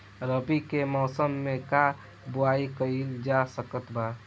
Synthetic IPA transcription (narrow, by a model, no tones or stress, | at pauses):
ɾəpikemɔːsəmːẽka | bʊaikəid͡ʒasəkət̪baː